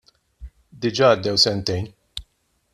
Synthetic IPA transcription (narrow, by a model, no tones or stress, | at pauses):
d̪ɪd͡ʒɐːɐd̪ːɛwsɛnt̪ɛjn